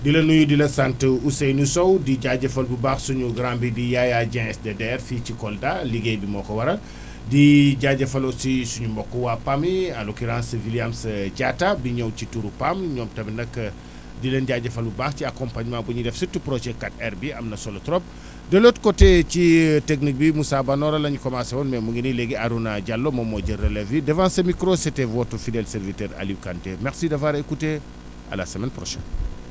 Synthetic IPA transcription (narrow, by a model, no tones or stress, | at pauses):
dilɐnujudilɐsantəusɛjnusɔwdiɟaɟɐfɐlbubaːxsuɲuɡɾambidijajaɟɛ̃ɛsdɛdɛɾficikɔldaliɡejbimɔːkɔwɐɾɐl | diɟaɟɐfɐlɔsisuɲumbɔkːɔwapamiɐlɔkiɾãːnsɐviliamsɐɟatabiɲɔwcituɾupamɲɔmtɐbɐnɐkːə | dilɐnɟaɟɐfɐlubaːxciakɔmpaɲmãbuɲidɛfsitːupɾot͡ʃɛkatɛɾbiɐmnɐsɔlotɾɔp̚ | dɐlotkoteciteknik̚bimusabanɔɾɐlɐɲikɔmasɛwɔnmɛmuŋɡinilɛɡiaɾunaɟalːomɐmːɔɟɐɾɐlevidɛvãnsɐmikɾosɛtevɔtufidɛlsɛɾvitɛɾa̰liwkantemɛxsidɐvaːɾekute | ɐ̰lasɐmɛnpɾɔʃɛ̰n